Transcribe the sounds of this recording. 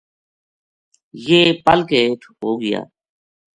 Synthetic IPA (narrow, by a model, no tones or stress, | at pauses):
jeːpəlkeːʈʰɦoːɡɪja̰ː